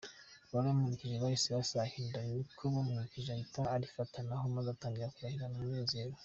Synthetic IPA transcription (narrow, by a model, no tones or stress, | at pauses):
βanamunikiʒeβajisiɾasahiːndaikʰomamunikiʒaitaːɾifatʰanaɦomazataːŋɡiɾakuɾahiɾananeːzeɾo